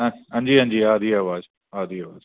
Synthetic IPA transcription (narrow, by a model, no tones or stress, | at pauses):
ɐ̃nd͡ʒiːə̃nd͡ʒiːaːd̪ʱiːaːʋaːz | aːd̪ʱiːaːʋaːz